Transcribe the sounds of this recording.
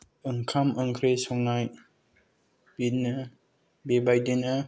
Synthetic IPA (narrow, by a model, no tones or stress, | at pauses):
ɯŋkʰamɯŋkʰɾesɔŋnaj | binɯ | bebajdina